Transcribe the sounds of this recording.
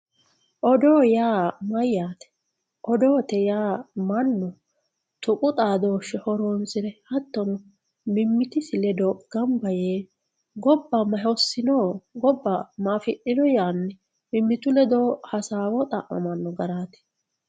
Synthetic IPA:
ʔɔd̪oːjaːmɐjːaːt̪ɛ̥ | ʔɔd̪oːt̪ɛjaːmɐnːɔ | t̪ʊkʼʊt̪ʼaːd̪o̞ːʃːɛhɔɾoːnsɪɾɛhɐt̪ːɔnɔ | mɪmːɪt̪ɪsɪlɛd̪oːɡ̥ɐmbɐjeː | ɡɔbːɐmɐɦɔsːɪnoːɡɔbːɐmaːfɪʔɪd̪ɔjaːnːɛ | mɪmːɪt̪ʊlɛd̪oːhɐsaːwɔt̪ʼɐ̰ʔɔ̰mɐnːɔɡɐɾaːt̪ɛ̥

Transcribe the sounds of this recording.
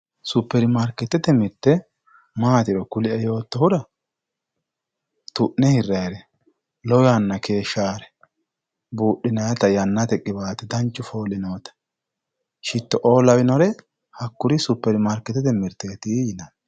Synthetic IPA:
sʊpːɛɾɪmɐɾkːɪt̪ːɛt̪ːɛmɪɾt̪ːɛ | maːt̪ɪɾɔkʊlɪɐjo̞ːt̪ːɔhʊɾɐ | t̪ʊʔnɛhɪrːɐjɾɛ | lɔwɐnːɐke̞ːʃːaːɾɛ̥ | buːɗːɪnɐjɐt̪ɐjɐnːɐt̪ɛkʼɪbaːt̪ɛd̪ɐnt͡ʃːʊfo̞ːlɪnoːt̪ɐ̥ | ʃɪt̪ːɔʔo̞ːlɐwɪnɔɾɛ | hɐkːʊɾɪsʊpːɛɾɪmɐɾkːɪt̪ːɛt̪ɛmɪɾt̪ːɛt̪iːjɪnɐn

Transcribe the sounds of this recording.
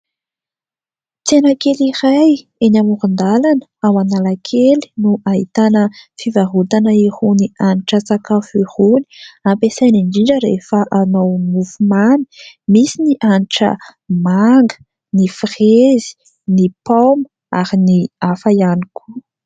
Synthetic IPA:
t͡senakeliɾaj | enamuɾund̪alanəawanalakʰeli̥nuʔait̪anəfivaɦut̪anəihunianiʈ͡ʂət͡sakafihuni̥ampesajniɳɖ͡ʐiɳɖ͡ʐəɾefəʔanowmufumani̥misiniʔanʈ͡ʂə̰maŋɡə̥ | nifrezi̥ | nipamə | aɾiniafajaniku̥

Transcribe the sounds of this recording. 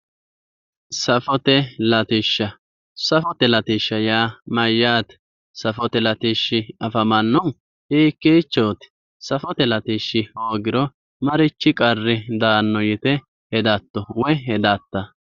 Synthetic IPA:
sɐfɔt̪ɛlɐt̪ɪʃːɐ | sɐfɔt̪ɛlɐt̪ɪʃːɐjaːmɐjːaːt̪ | sɐfɔt̪ɛlɐt̪ɪʃːɪɐfɐmɐnːɔn | iːkːiːt͡ʃːoːt̪ | sɐfɔt̪ɛlɐt̪iʃːɪhoːɡɪɾɔ | mɐɾɪt͡ʃːɪkʼɐrːɪd̪aːnːɔjɪt̪ɛ | hɛd̪at̪ːɔwɔjɦɛd̪aːt̪ːɐ

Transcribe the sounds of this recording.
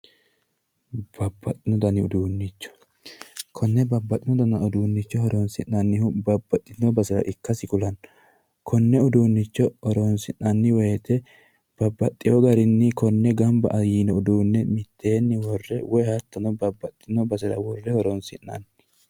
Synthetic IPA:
b̥ɐbːɐt̪ʼːɪnɔd̪ɐnɪʊd̪uːnːɪt͡ʃːɔ̥ | kʰɔnːɛbɐbːɐt̪ʼːɪnɔd̪ɐnɐʊd̪uːnːɪt͡ʃːɔhɔɾɔnsɪnːɐnːɪhʊbɐbːɐt̪ʼːɪnːɔbɐsɐɾɐ̰ʔɪkːɐsɪkʊlɐn | kʰɔnːɛʊd̪uːnːɪt͡ʃːɔɔɾɔnsɪnːɐnːɪwɛjɛt̪ɛ | b̥ɐbːɐt̪ʼːɪjɔɡɐɾɪnːɪkɔnːɛɡɐmbɐ̰ʔɐjiːnɔʊd̪uːnːɛmɪt̪ʰːeːnːɪwɔrːɛwɔjhɐt̪ːɐnɔbɐbːɐt̪ʼːɪnɔbɐsɐɾɐ̰wɔrːɛhɔɾɔnsɪ̰nːɐ̰n

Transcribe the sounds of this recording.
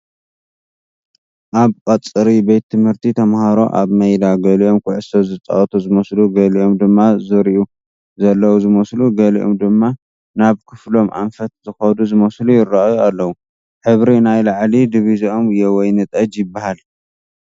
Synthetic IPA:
ʔaβkʼɐt͡sʼːɨɾibet̪ʰːɨmhɨɾt̪ʰit̪ʰɐmhaɾo̞̰ʔa̰βmɐjlaɡɐliʔo̞mkʰʊʕɨsozɨt͡s̪ʼa̰ʔt̪ʰuzɨmɐsluɡɐliʔo̞md̪ɨmːazɨɾiʔu | zɐlːɐwuzɨmɐsluɡɐlḭʔo̞̰md̪ɨmːa | naβkʰɨflo̞mʔa̰nfɐt̪̚zɨxɐd̪uzɨmɐslujɪrːaʔjualːɐwu | ħɨβɾinajlaʕlid̪ɨβiziomɨjːewɔjnɨt̪ʼɐd͡ʒjɪbːahal

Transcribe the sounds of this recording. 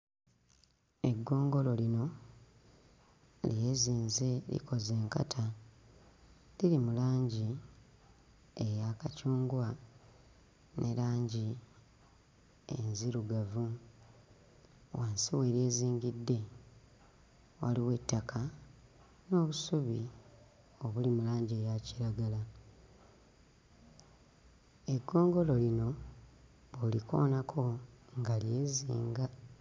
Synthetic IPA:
e̞ɡːo̞ːŋɡo̞lo̞lino̞ | lije̞ːziːnze̞lḭko̞ze̞ːŋka̰tʰa | lilimulaːɲɟi | ejakacuːŋɡwa | nʔe̞̰laːɲɟi | ḛnziɾuɡavu | waːnsiwe̞ːɾje̞ːziːŋɡidːe̞ | wa̰liwe̞tːakʰa | no̞ːβusuβi | o̞βulimulaːɲɟejaciɾaɡala | e̞ɡːo̞ːŋɡo̞lo̞lino̞ | βolikʰo̞̰ːnakʰo̞ŋɡalje̞ːziːŋɡa

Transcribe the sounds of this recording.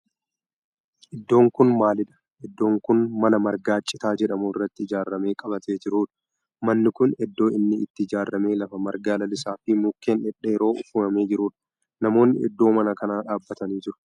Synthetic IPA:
ʔɪd̪ːo̞ːŋkʊnmaːlɪᶑɐ̥ | ʔɛd̪ːo̞ːŋkʊnmɐlɐmɐɾɡaːt͡ʃʼːɪt̪aːd͡ʒɛᶑɐmuɪrːɐt̪ːɪɪd͡ʒaːrːɐme̞ːkʼɐbɐt̪ʰe̞ːd͡ʒɪɾuːᶑɐ̥ | mɐnːɪkʊnɛd̪ːo̞ːɪnːɪɪ̰t̪ːɪɪd͡ʒaːrːɐme̞ːlɐfɐmɐɾɡaːlɐlɪsaːfimukːeːnɛᶑeɪɾo̞ːʔʊfuːnɐme̞ːd͡ʒɪɾuːᶑɐ̥ | nɐmo̞ːnːɪʔɛ̰d̪ːo̞ːmɐnɐkɐnaːᶑaːbːɐt̪ɐniːd͡ʒɪɾʊ̥

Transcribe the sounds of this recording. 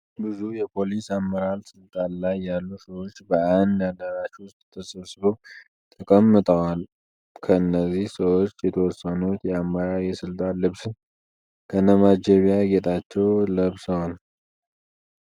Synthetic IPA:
bɨzujɛpʰo̞lisamːəɾalsɨlt̪ʼanlajːalːusəwo̞t͡ʃːbəand̪jad̪əɾaʃwʊst̪ʼt̪ʰəsəβsɨβow | t̪ʰəkʼəmːɨt̪ʼəwal | kʰəɨnːəzihsəwo̞t͡ʃːjɛt̪ʰəwɔsːənut̪jɛamːəɾaɛsɨlt̪ʼanlɨβsɨn | kʰənəmad͡ʒeβijaɡet̪ʼat͡ʃːɛwləβsəwal

